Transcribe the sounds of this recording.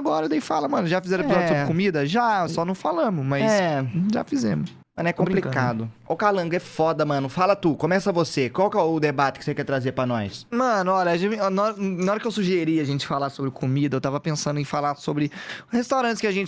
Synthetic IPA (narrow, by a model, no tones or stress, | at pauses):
aɡɔɾɐd̪aifalɐmɐ̃nʊʒafizɛɾ̃epizɔd͡ʒʊsoɾɪkomid̪ɐʒasɔnɐ̃w̃falɐ̃mʊsmɐjsɛʒa̰fizẽmʊs | mɐ̃nʊɛkõplplikad̪ʊ | ʊkalɐ̃ŋɡʊɛfɔd̪ɐmɐ̃nʊfalɐt̪ukõmɛsɐvosekwawkɛʊd̪ebat͡ʃɪ̥kɪsekɛɾt̪ɾazeɾpɾɐnɔjsmɐ̃nʊɔlʎɐʒẽnaɔɾɐnɐɔɾɐkɪewsuʒeɾiɐaʒẽnt͡ʃɪ̥falaɾsobɾɪkʰomid̪ɐewt̪avɐpẽsɐ̃nd̪ʊẽfalaɾsobɾɪhest̪awɾɐ̃t͡ʃɪskɪaʒẽnt͡ʃ